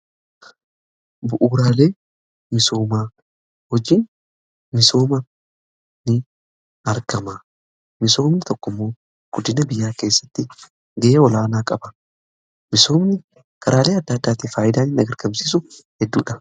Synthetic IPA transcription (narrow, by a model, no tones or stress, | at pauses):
bʊʔuːɾaːle̞ː | mɪso̞ːmaː | hɔd͡ʒiːn | mɪso̞ːmɐ | nɪ | ɐɾɡɐmɐ | mɪso̞ːmnɪt̪ɔkːʊmːo̞ː | ɡ̥ʊd̪ɪnɐbɪjːaːke̞ːsːɐ̥t̪ːɪ | ɡɛʔeːɔlaːnaːkʼɐbɐ | mɪso̞ːmnɪ | kʰɐɾʔaːle̞ːɐd̪ːaːd̪ːaːt̪iːfaːjɪd̪aːnɪnɐɡɐɾɡɐmsiːs̬ʊhɛd̪ːuːᶑɐ